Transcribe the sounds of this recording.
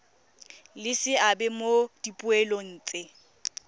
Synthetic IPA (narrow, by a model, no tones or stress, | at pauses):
lɪsɪʔabɛmod̥ipʼʊelon̩ːt͡sʼe